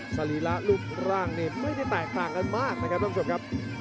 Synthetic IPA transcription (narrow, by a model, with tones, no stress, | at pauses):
sa˧liː˨˦la˦˥luː˥˩t̪̚ʰɾaː˥˩ŋniː˧˩muː˥˩ti˥˩t̪ɛː˨˩k̚t̪aː˨˩ŋka˧˨nmaː˥˩k̚na˦˥kʰa˦˥p̪̚ʰa˧t͡ɕʰo˨˩kʰa˦˥p̚